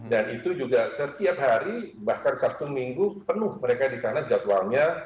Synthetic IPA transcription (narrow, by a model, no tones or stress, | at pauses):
danit̪ud͡ʒuɡasət̪iap̚ɦaɾibahkansap̚t̪umiŋɡupənʊhməɾekadisanad͡ʒat̪waŋɲa